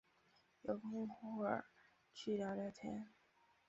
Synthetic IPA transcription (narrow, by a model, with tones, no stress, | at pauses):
jo˨˩ʊkʰo˥ŋxu˥ə̰˞˨˩ | t͡ɕʰy˥˩lɑ˧˥ʊljɑ˨˧˩t̪ʰjɛ˧˥n